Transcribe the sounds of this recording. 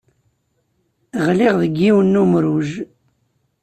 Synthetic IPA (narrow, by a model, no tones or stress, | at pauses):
ʁliʁðəɡːiwənːumɾuʒ